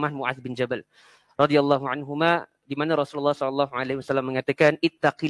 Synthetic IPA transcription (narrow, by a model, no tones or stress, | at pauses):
mahmuʕa̰θbɪnd͡ʒabal | rɑd̪ialːɑɦuʕanɦuma | dimanaɾɔsululːɑhsɔlɑlːɑɦuʕalahiwasalːamːəŋat̪akanʔɪt̪ːaqi